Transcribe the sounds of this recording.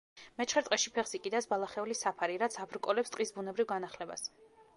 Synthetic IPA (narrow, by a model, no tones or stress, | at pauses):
mɛt͡ʃʰχɛɾt̪ʼqʼɛʃipʰɛχsikʼid̪asbalˠaχɛulisapʰaɾiɾat̪sʰabʰɾkʼɔlɛpst̪ʼqʼisbunɛbɾivɡanaχlɛba̰s